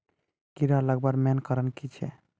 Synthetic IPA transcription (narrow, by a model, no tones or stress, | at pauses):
kiɾalaɡbaɾmɛnkaɾankit͡ʃʰḛ